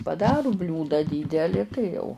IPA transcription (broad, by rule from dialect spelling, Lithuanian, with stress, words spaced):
pɐˈdɑːrʊ ˈbʲlʲuːdɑː ˈdʲiːdʲɛlʲɪ tɐɪ jɛʊ